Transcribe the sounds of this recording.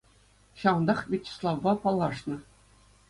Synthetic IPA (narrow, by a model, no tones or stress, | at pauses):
ɕɑwɤ̆nd̪ɑχʋʲet͡ɕːe̥slˠɑʋbɑpɑlˠːɑʂnɤ̆